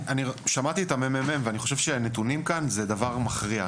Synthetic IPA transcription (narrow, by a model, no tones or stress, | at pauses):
aniʃamat̪iet̪amemememveaniχo̞ʃevʃenet̪̬unimkanzed̪avaʁmaχʁia